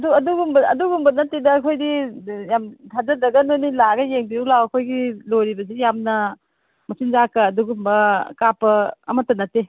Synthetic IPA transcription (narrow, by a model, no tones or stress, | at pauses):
duɐduɡumbɐɐ̰duɡumbɐnɐtːedɐːkʰojdijamtʰazɐdɐɡɐnonilaɡɐjeŋbiulawɐkʰojɡilojɾibɐs̬ijamnɐ | mɐsinzakɐːduɡumbɐkapɐːmɐtːɐnɐte